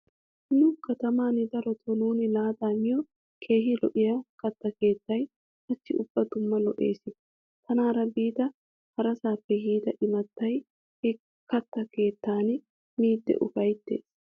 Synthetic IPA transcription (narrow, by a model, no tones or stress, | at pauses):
nʊkɐt̪ɐmaːnɪd̪ɐɾɔt̪ʰɔnuːnɪlaːd̪aːmɪjɔ | kʰe̞ːɦɪlɔ̰ʔɪjɐkɐt̪ːɐke̞ːt̪ːɐj | ɐtːɪʊb̥ːɐd̪ʊmːɐlɔʔe̞̰ːsɪ | t̪ɐnaːɾɐbiːt̪ɐ | hɐɾɐsaːpːɛjiːd̪ɐʔɪmɐt̪ːɐj | hɛ | kɐt̪ːɐke̞ːt̪ːaːn | miːd̪ːɛ̰ʔʊfɐjt̪ːe̞̰ːs